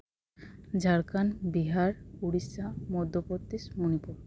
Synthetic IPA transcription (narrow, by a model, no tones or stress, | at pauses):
d͡ʑaɽkanbiɦaɾuɽisamɔd̪ʱːopot̪ːismunipuɾ